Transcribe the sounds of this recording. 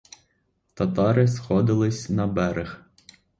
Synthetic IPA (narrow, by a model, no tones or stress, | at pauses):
t̪ɐt̪ɑɾɪsxɔd̪ɪlˠɪsʲnɐbɛɾɪx